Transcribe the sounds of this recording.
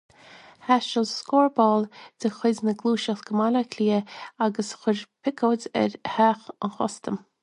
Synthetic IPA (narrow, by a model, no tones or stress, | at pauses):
haʃəlskɔːɹbɔːld̥əxɪdnəɡluːʃəxɡ̥əmaləkʰliːaɡəsxʊɾpʰɪkʰoːdɛ̰ɾhaːxənxɔ̰st̪əm